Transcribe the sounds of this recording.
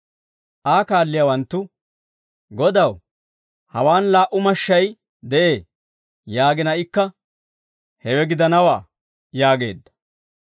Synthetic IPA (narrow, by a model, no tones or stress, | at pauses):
ʔaːkaːlːɪjawɐnt̪ːʊ | ɡɔd̪ɐw | hɐwaːnlaːʔʊmɐʃːɐj | d̪ɛʔeː | jaːɡɪnɐɪkːɐ | hɛwɛɡɪd̪ɐnɐwaː | jaːɡe̞̰ːd̪ːɐ̥